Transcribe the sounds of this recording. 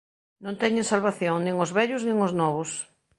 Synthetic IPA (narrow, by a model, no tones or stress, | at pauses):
nõnt̪ɛɲẽŋsalβaθjoŋnĩŋʊzβɛʎʊznĩŋoznɔβʊs